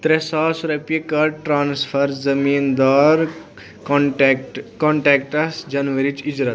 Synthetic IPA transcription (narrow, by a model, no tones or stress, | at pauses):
t̪ɾesaːsɾɐpiekɐʈɾaːnsfʰɐɾzɐmiːnd̪ɔːɾ | ʈkɔɳʈɛːkʈɐsd͡ʒɐnʋɐɾit͡ʃid͡ʒɾɐt̪